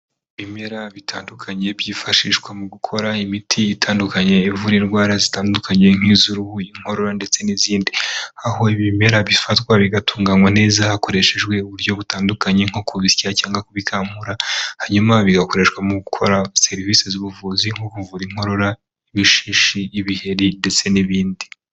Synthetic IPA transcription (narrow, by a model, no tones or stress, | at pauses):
βime̞ɾaβitʰaːndukʰaɲe̞βjiːfaʃiʃɡwemuɡukʰo̞ɾaimitʰiːtʰaːndukaɲe̞ːvuɾinɡwaːɾazitaːndukʰaɲe̞ŋ̥hiːzuɾuhuiŋ̥ho̞ɾo̞ɾande̞t͡se̞niziːndiaho̞iβime̞ɾaβifatkwaβiɡatʰuːŋɡaŋwan̥e̞ːzahako̞ɾe̞ʃe̞ʒɡwe̞uβuɾjo̞βutaːndukaɲeŋ̥okuβisciacaːŋɡakuβikʰaːm̥huɾahaɲumaβiɡako̞ɾe̞ʃwamuɡukʰo̞̰ɾase̞ɾivisezuβuvuːziŋ̥okuvuɾiŋ̥ho̞ɾo̞ɾa | iβiʃiːʃiːβihe̞ɾinde̞t͡se̞niβiːndi